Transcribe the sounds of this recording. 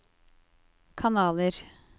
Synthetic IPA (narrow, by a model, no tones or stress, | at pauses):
kʰɑnɑːləɾ